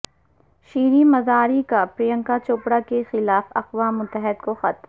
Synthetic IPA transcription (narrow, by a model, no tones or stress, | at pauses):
ʃiːɾimɐzaːɾikapɾijə̃ŋkat͡ʃoːpɽakexɪlaːfɐqʋaːmːʊt̪ːəɦɪd̪koxɐt̪m